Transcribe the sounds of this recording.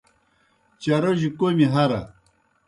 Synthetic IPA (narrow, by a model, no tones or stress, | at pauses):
t͡ɕɐɾoʑikomiɦɐɾɐ̰